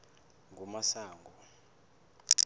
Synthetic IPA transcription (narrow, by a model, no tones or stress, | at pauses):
ŋʱumasaːŋɡʱɔ